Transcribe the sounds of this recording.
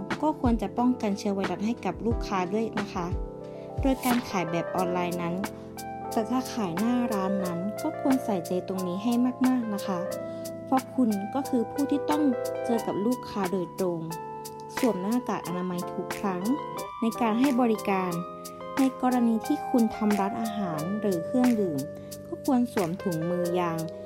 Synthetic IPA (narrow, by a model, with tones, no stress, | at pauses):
kɔː˧˥˨kʰu˧ənt͡ɕa˧pɔ˥˩ŋka˨nt͡ɕʰi˧əwa˧jla˧˩ŋɦa˧˥˩jka˨˩p̚luː˥˩kʰːaː˧du˧˥˩əjna˧˥kʰa˧˥ | doː˧əjkaː˨˧nkʰaː˨˩˦jbɛː˨˩p̚ʔɔː˧nlaː˧jna˦˧˥n | t̪ɛː˧˩t̪ʰaː˧˩kʰaː˨˩˦jnaː˥˩ɾaː˧˥nːa˧˥nkɔː˥˩kʰu˧˥ənsa˨˩˦jt͡ɕa˨˩jt̪o˧ŋniː˦˥ɦa˧˩jmaː˧˥˩k̚maː˥˨k̚na˧˥kʰa˧˥ | pʰɔ˧˥kʰu˧nkɔː˥˩kʰɯː˧pʰuː˧˩t̪ʰiː˧˩t̪ɔ˥˩˨ŋt͡ɕɤː˧ka˨˩p̚luː˥˩kʰːaː˧doː˨˩j̪̚t̪ɾoː˧ŋ | su˨˩˦əmnaː˧˥˧t̪aː˨˩kʔa̰˧naː˧ma˧jt̪ʰu˧˩k̚ʰɾa˧˥˩ŋna˧˩jkaː˨nɦa˧˩jbɔː˧ɾi˦˧kaː˨˧n | na˧˥˨jkɔː˧ɾa˧niː˧t̪ʰiː˧˥˩kʰu˧nt̪ʰa˧mdaː˧˥˩nʔaː˧ɦaː˨˦nɾɯː˨˦kʰɯ˥˩əŋdɯː˨˩m | kɔː˧˥˩kʰu˧ənsu˩˦əmt̪ʰu˨˩˦ŋmɯː˧jaː˧ŋ